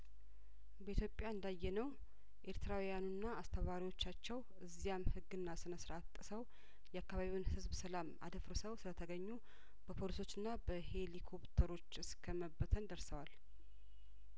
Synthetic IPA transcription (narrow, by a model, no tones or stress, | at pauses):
bəit̪ʰjopʼjaɨnd̪ajːɛnəw | ʔe̞ɾt̪ʰɨɾawijanunːaast̪ʰəβaɾiwo̞t͡ʃːat͡ʃːɛw | ɨzːijamhɨɡːɨnːasɨnəsɾat̪ʼːɨsəw | jɛakːaβaβiwnhɨzbsəlama̰d̪əfɾɨsəwsɨlət̪ʰəɡəɲːu | b̥əpʰo̞liso̞t͡ʃːɨnːabəhe̞likʰo̞pt̪ʰəɾo̞t͡ʃːɨskʰəməbːət̪ʰənd̪əɾsəwal